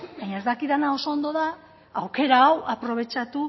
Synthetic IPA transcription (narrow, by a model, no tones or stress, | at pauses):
baɲaezd̪akiðanao̞so̞ːnd̪o̞ðaː | wke̞ɾaːwapɾo̞β̞e̞t͡ʃat̪u